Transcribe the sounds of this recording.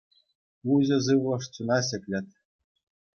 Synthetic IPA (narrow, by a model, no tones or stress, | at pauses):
uʑɘ̆zɯʋlˠɤ̆ʂt͡ɕunɑɕɘ̆kʲlʲɘ̆t̪̚ʲ